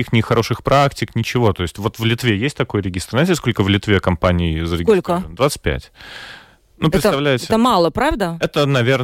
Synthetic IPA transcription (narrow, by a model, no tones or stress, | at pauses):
ixnʲɪxɐɾo̞ʂɨxpɾaktʲɪknʲɪt͡ɕɪvo̞t̪o̞ɪsʲtʲvo̞t̪vlʲɪt̪vʲejesʲt̚ʲt̪ɐko̞jɾʲɪɡʲist̪ɾr̩natʲɪsko̞lʲkəvlʲɪt̪vʲe̞kɐmpanʲɪːzəɾʲɪɡʲoslʲkəiəvənd̪vat̪sɨt̚ʲpʲæ̰tʲ | nupɪsɐvlʲæjɪɛt̪əmɑlˠəpɾavd̪əɛt̪ənɐvʲern